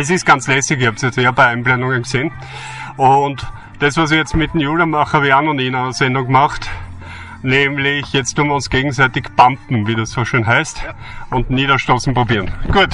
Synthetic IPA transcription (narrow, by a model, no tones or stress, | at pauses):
ɛs̬ɪst̚ɡ̥ant͡slɛsɪkɪhapsjɛt͡steːɐbæɪæɪnplɛnʊŋənɡseːn | ʔʊnt | d̥ɛsʋas̬ijɛt͡stmɪt̪ːnjuːlɐmaχaʋianʊninanɐsɛndʊŋɡmaχt | neːmlɪçjɛt͡stʊmviɐʊnsɡ̥eːɡŋ̩sæɪtɪçb̥ampm̩viːdussoːʃøːnɦæɪst | ʊntniːɾɐʃtʁoːsn̩pʁobiːɐnɡ̥uːət